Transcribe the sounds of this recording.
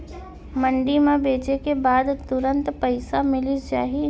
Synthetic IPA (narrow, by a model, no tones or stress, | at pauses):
mə̃ɳɖimẽbeːt͡ʃekebaːd̪t̪ʊɾə̃nt̪pəɪsamɪlid͡ʒa̰ːɦi